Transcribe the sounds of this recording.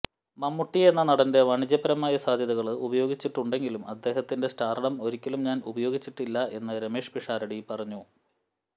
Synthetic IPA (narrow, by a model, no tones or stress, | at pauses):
mɐmːuʈːie̞nːɐnɐɽɐnde̞ʋɐɳid͡ʑjɐbɐɾɐmaːjɐsaːd̪ʱjɐðɐɣɐɭɨubɐjo̞ːɡit͡ɕːiʈːuɳɖe̞ŋɡilumɐd̪ːe̞ːɦɐt̪ːinde̞sʈaːrɐɽɐmo̞ɾikʲːɐlumɲaːnubɐjo̞ːɡit͡ɕːiʈːilːɐʔe̞nːɐɾeme̞ːʂpiʂaːɾɐɽipɐrɐɲːu